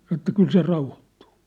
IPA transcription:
sɑno ĕtːæ kyl se rɑuhotːu̥ː

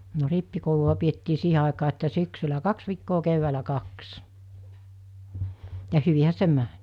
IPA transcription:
no ripːikouluɑ pietːiː siːhe ɑˑekɑː etːæ syksylæ kɑks ʋiːkːoː key̆ʋːæːlæ kɑks jɑ hyʋihæ se mæn̥

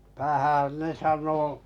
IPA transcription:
tæhæˑn ne sɑnˑo

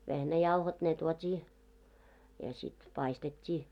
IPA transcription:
ʋehnæjɑuhot ne tuotʲiː jɑ sit pɑistetʲːiː

